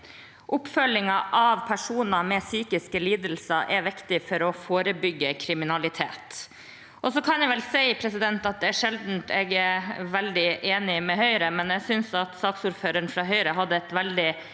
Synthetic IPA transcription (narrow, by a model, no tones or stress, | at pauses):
ʔʊpfœlɪŋɑʔɑʋpʰæʂuːnɑmɛsyːkɪskəliːd̪əlsəʔɛʋɪkt̪ɪfɔɾɔfoːɾəbʏɡːəkʰɾɪmɪnɑlɪt̪ʰḛːt̪ | ʔɔsɔkʰɑnjɛʋɛlsæɪpʰɾɛsɪd̪ɛnt̪ɑt̪̚d̪ɛæʂɛld̪n̩t̪ɛɡʋɛld̪ɪʔeːnɪmɛhœʏɾəmɛnɛɡsʏnsɑt̪sɑːksʊːɾføːɾəɳfɾɑːɦœʏɾəɦɑd̪ːəɛt̪ʋɛld̪ɪ